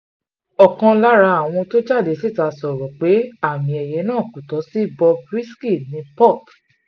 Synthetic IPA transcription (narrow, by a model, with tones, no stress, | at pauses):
ɔ˨kã˧la˦ɾa˧a˨w̃ɔ̃˧to˦d͡ʒa˦˨de˨se˦˨ta˧sɔ˨ɾɔ˨k͡pe˨˦a˦˨mĩ˨ɛ˨je˨˦nãː˦˨kũ˨tɔ˨˦si˦bɔ˧bɾi˦ski˦˨nĩ˨˦pɔ˦˨t